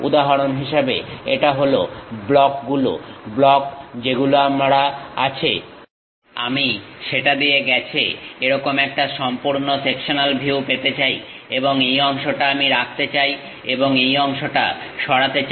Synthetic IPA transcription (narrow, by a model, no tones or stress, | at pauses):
ṵd̪aɦaɾonɦiʃabeeʈaɦoloblɔkɡulo̰blɔkd͡ʑeɡuloamaɽaa̰t͡ɕʰḛ | a̰miʃeʈad̪ieɡɛt͡ɕʰḛeɾɔkomɛk̚ʈaʃɔmpuɾnosekʃonalbʱiupet̪et͡ɕaj | eboŋejɔŋʃoʈaamiɾak̚ʰt̪et͡ɕaj | eboŋejɔŋʃoʈa̰ʃɔɽat̪et͡ɕ